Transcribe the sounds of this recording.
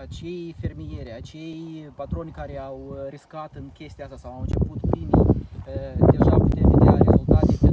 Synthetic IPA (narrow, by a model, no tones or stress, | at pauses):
at͡ʃe̞jfe̞rmije̞ɾʲat͡ʃe̞jpat̪ɾo̞nʲkaɾe̞awɾiskat̪ɨŋkʲe̞st̪iaast̪asawawɨnt͡ʃe̞put̪pɾimḭ | d̪e̞ʒaput̪emvid̪eaɾḛzult̪at̪e